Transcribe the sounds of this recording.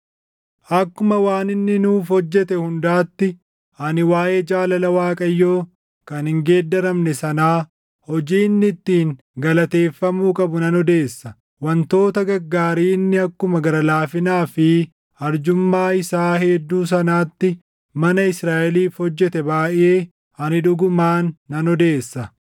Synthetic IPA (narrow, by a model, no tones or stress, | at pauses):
ʔɐkːʊmɐwaːnɪnːɪnuːfɔd͡ʒːɛt̪ɛhʊnd̪aːt̪ːɪ | ɐnɪwaːʔeːd͡ʒaːlɐlɐwaːkʼɐjːoː | kɐnhɪŋɡe̞ːd̪ːɐɾɐmnɛsɐnaː | hɔd͡ʒiːnːɪt̪ːiːŋ | ɡɐlɐt̪e̞ːfːɐmuːkʼɐbʊnɐnɔd̪e̞ːsːɐ | wɐnt̪o̞ːt̪ɐɡɐɡːaːɾiːnːɪɐkːʊmɐɡɐɾɐlaːfɪnaːfɪ | ɐɾd͡ʒʊmːaːɪsaːɦed̪ːuːs̬ɐnaːt̪ːɪ | mɐnɐɪsɾaːʔɛliːfhɔd͡ʒːɛt̪ɛbaːʔɪʔe̞ː | ɐnɪᶑʊɡʊmaːnːɐnɔd̪eːsːɐ